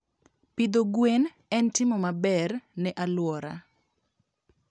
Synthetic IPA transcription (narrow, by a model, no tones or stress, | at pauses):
pid̪oɡwen | ɛntɪmɔmabɛrnɛʔalwɔɾa̰